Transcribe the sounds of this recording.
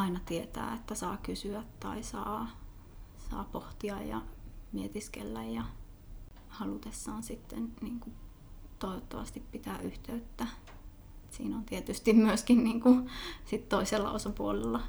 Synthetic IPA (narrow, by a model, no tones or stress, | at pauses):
ɑinɑt̪iet̪æ̰ːet̪ːæsɑːkysyæt̪tɑ̰isɑː | sɑ̰ːpoht̪iɑjjɑ̰miet̪iskḛlːæjjɑ | hɑlut̪esːɑːnsit̪ːenniːŋku | t̪oiʋot̪ːɑʋɑ̰st̪ippit̪æːʔyht̪eyt̪ːæ | et̪sḭːnont̪iet̪yst̪immyøskinniːŋkusit̪toiselːɑ̰ʔosɑpuolelːɑ